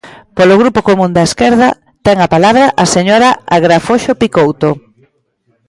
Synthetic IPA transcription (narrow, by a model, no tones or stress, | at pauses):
polʊɣɾupokomũnd̪ɐeskɛɾð̞ɐ | t̪ɛŋapalaβɾɐʔaseɲoɾaaɣɾafoʃopikowt̪o